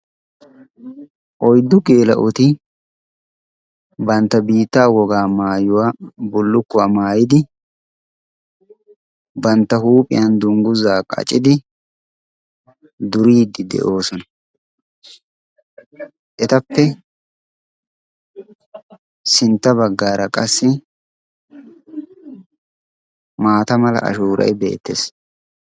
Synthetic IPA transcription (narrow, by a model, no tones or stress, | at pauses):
ʔɔjd̪ʊkeːlɐ̰ʔʊt̪ɪ | bɐnt̪ːɐbiːt̪ːaːwɔɡaːmaːjʊwabʊlːʊkːʊwɐmaːjɪd̪ɪ | bɐnt̪ːɐhuːpʼɪ̰jɐnd̪ʊŋɡʊzaːkʼɐ̰t͡ʃʼɪd̪ɪ | d̪ʊɾiːd̪ːɪd̪ɛ̰ʔo̞ːsɔnɐ | ʔɛt̪ɐpːɛ | sɪnt̪ːɐbɐɡːaːɾɐkʼɐsːɪ | maːt̪ɐmɐlɐ̰ʔɐ̰ʃuːɾʔɐ̰jbe̞̰ːt̪ːḛːs